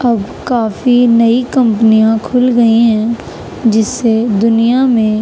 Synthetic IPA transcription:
ɐbkaːfinɐikɐ̃mpənijãkʰʊlɡɐiɦɛ̃ | d͡ʒɪsːed̪ʊnijamẽ

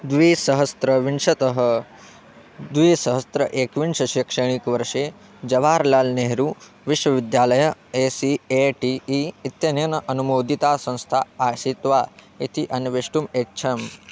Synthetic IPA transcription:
d̪ʋiːsɐɦɐst̪ɾɐʋiɳʂɐt̪ɐɦɐ | d̪ʋiːsɐɦɐst̪ɾɐʔeːkʋinʂɐʃikʂɐɳ̃ikʋɐɾʂeː | d͡ʒɐʋaːɾlaːlneɦɾuː | ʋiʃʋɐʋid̪jaːlɐjɐeːsieʈiiit̪jɐnɐnɐʔɐnumoːd̪it̪aːsɐ̃ñst̪ʰaaːʃit̪ʋaː | it̪ʰiʔɐnʋeʂʈumetːt͡ʃʰɐm

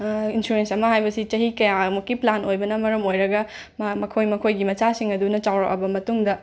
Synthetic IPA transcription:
insuɾensɐmɐɦajbɐsit͡ʃɐɦikɐjamukːiplanojbɐnɐmɐɾɐmojɾɐɡɐ | mamɐkʰojmɐkʰojɡimɐt͡ʃasiŋɐdunɐt͡ʃawɾɐ̰kɐ̰bɐmɐtuŋdɐ

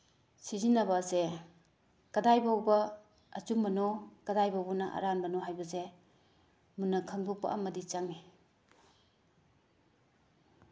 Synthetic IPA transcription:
sizinɐbɐze | kɐdajbawbɐ | ɐt͡ʃumbɐnokɐdajbawbɐnɐʔa̰ɾanbɐnoɦajbɐze | munːɐkʰɐŋdupa̰ʔɐ̰mɐdit͡ʃaŋi

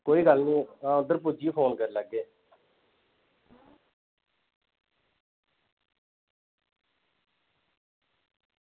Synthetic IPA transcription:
koːiːɡəlnĩːãʊd̪əɾpʊd͡ʒiːpʰoːnkəɾləɡeː

